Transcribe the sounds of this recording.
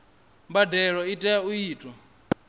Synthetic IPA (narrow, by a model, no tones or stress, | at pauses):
mbadɛɺɔitʼɛaujiːtʼwa